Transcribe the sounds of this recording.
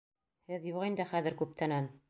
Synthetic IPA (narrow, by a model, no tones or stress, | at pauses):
hɘðjuʁind̪ɘχæðɘ̆ɾkʉp̚t̪ʰænæn